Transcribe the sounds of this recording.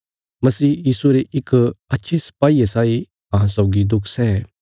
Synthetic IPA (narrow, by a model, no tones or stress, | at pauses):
mɐsiːjiːsuɾeʔɪkɐtːʃʰisɐ̥paːiesaːi | ɐɦãsɔʊɡid̪ʊkʰsɛː